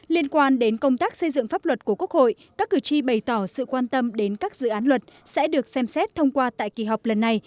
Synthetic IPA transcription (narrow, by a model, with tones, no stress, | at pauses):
li˧ənkwaː˧nɗe˨˦nkə˧wŋ͡mt̪aː˦˥k̚sə˧jzɨ̰˧˨ŋfaː˦˥p̚lwə˨˩t̚ku˧˩əku˦˥ək̚ho̰˧˨jkaː˦˥kːɨ˨˩t͡ɕi˧ɓə˨˩jt̪ɔ˧˩sɨ̰˧˨kwaː˧nt̪ə˧mɗe˨˦nkaː˦˥k̚zɨ̰˧˨ʔaː˨˦nlwə˨˩t̚sɛ̰˧˥ɗɨ˨˩ək̚sɛ˧msɛ˦˥t̚t̪ʰə˧wŋ͡mkwaː˧t̪a̰ː˧˨jki˨˩ɦa˨˩wk͡p̚lə˨˩nːa˧j